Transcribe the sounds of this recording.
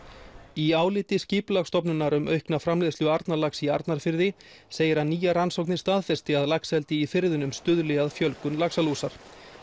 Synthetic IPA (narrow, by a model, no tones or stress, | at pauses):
iaːwlɪːt̪ɪsciːpʏlaxst̪ɔpnʏnːaɾʏmœ̰ɥhknafɾamlɪːðsjʏaɾt̪nalaksiaɾt̪naɾ̥fɪɾðɪ | seːjɪɾaðniːjaransowknɪ̥st̪aːðfɛr̥st̪ɪaðlaksɛlt̪ɪifɪɾðʏnʏmst̪ʏðlɪɣaðfjœlkʏnlaksaluːsaɾ̥